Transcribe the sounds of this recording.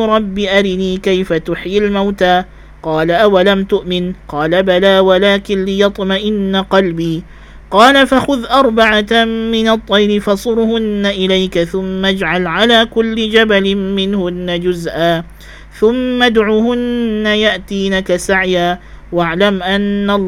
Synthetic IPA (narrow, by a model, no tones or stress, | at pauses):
ɾˤɑbːiʔaɾɪniːkajfat̪ʊħjɪlmawt̪aː | qɑːlaʔawalamt̪ʊʔmɪnqɑːlabalaːwalaːkɪnlɪjɑt̪ˤmaʔɪnːaqɑlbiː | qɑːlafaxʊðʔɑɾˤbaʕaːɪnɑt̪ˤːɑjɾɪfɑsˤʊɾhʊnːaʔɪlajkaθʊmːad͡ʒʕalʕalaːkʊlːɪd͡ʒabalɪːɪnhʊnːad͡ʒʊzʔaː | θʊmːad̪ʕuːhʊnːajaʔt̪iːnakasaʕjaː | waʕlamʔanːa